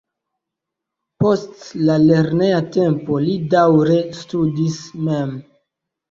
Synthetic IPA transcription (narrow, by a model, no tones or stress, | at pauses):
po̞stlale̞ɾne̞jate̞mpo̞lidawɾe̞studismem